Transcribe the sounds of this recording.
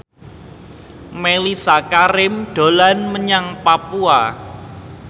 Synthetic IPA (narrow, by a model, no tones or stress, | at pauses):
melisakaɾɪmɖ̥o̤lanməɲaŋpapua